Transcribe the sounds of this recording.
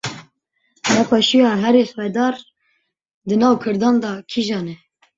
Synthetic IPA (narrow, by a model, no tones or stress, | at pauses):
nɛpʰɑːʃujɑːɦɛɾeswɛd̪ɑːɾ | d̪ɨnɑːwkʰɨɾd̪ɑːnd̪ɑkʰiʒɑːnɛ